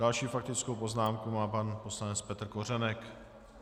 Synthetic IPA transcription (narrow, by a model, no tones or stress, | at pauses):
dalʃiːfak̚t̪ɪt͡skowpo̞znaːmkumaːpanpo̞slanɛt͡spɛt̪r̩kor̝ɛnɛk